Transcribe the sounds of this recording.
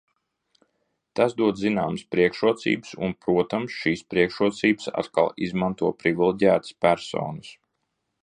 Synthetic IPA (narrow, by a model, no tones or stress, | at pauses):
t̪asd̪uɔd̪zinaːməspɾiɛkʃuɔt̪sḭːbɨsṵnpɾuɔt̪amsʃiːspɾiɛkʃuɔt̪siːbɨ̥sa̰t̪ka̰lˠizmant̪uɔpɾivilˠiɟʲæːt̪ɨ̥spæɾsɔ̰ːnɨs